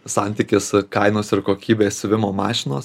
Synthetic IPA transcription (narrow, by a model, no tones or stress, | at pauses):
sɑˑnʲt̪ʲiːkʲɪskɐɪnoːsɪɾkoːkʲiːbʲeːsʲsʲʋʲɪmoːmɑːʃʲɪnoːs